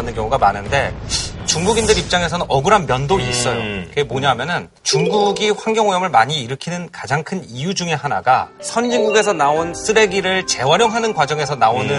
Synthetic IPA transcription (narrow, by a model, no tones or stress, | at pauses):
nɯnkjʌŋuɡamanɯnde̞t͡ɕuŋɡuɡindɯɾip̚t͡ɕ͈aŋe̞s̬ʰʌnɯnʌɡɯɾɦanmjʌndois͈ʌjokɯemoɲaɦmjʌnɯn | t͡ɕuŋɡuɡiɸwaŋɡjʌŋojʌmɯɭmaɲiːɾɯkʰinɯnkad͡ʑaŋkʰɯnijud͡ʑuŋe̞ɦana̰ɡa̰sʰʌnd͡ʑiŋɡuɡe̞sʰʌnaons͈ʰɯɾe̞ɡiɾɯɭt͡ɕe̞waɾjʌŋɦanɯnkwad͡ʑʌŋe̞sʰʌnaonɯ